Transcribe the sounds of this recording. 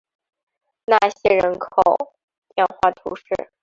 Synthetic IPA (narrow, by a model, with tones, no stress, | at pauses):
na˥˩ɕjɛ˥ɻə˧˥nkʰo˨˩ʊ | t̪jɛ˥˧nxwa˥˩t̪ʰṵ˧˥ʂɻ̩˥˩